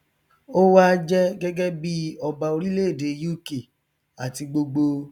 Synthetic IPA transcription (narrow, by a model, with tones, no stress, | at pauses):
o˦wa˦d͡ʒɛ˦ɡɛ˦ɡɛ˦bi˦ɔ˧ba˧o˧ɾi˦le˦e˦˨de˨˦ju˦˨ke˨ | a˨ti˧ɡ͡bo˧ɡ͡bo˧